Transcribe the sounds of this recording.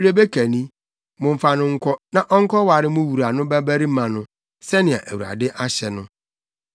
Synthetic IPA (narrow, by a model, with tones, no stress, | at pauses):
ɾe˦be˦kʰæ˨nĩ˦ | mʊ̃˨m̩˨fa˨nʊ̃˦ŋ̩˦kʰɔ˦nã˨ʔɔ˦ŋ̩˦kʰɔ˦wa˨ɾɪ˦mʊ̃˦wu˨ɾa˨nʊ̃˦bæ˦bæ˦ɾi˦mã˨nʊ̃˦ | sɛ˦nɪ̃˨a̰˨ʔæ˨wu˨ɾa̰˨dɪ˦ʔa˦ɕɛ˨nʊ̃˦